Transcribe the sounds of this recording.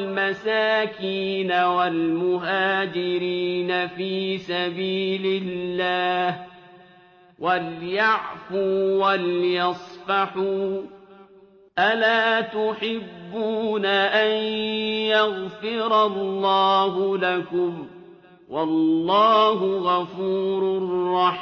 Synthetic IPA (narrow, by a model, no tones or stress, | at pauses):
lmasaːkiːnawalmʊɦaːd͡ʒɪɾiːnafiːsabiːlɪlːaːh | waljaʕfuwaljɑsˤfɑħuː | ʔalaːt̪ʊħɪbːuːnaʔanjaɣfɪɾɑlːɑːɦʊlakʊm | wɑlːɑːhʊɣafuːɾʊrrːɑħ